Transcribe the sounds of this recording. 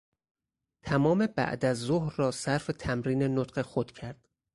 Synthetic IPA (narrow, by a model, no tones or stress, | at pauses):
t̪ʰæmɒːme̞bæ̰ʔd̪æzːohɾːɒːsæɾfet̪ʰæmɾiːnenot̪ɢe̞xod̪̥cʰæɾd̪̥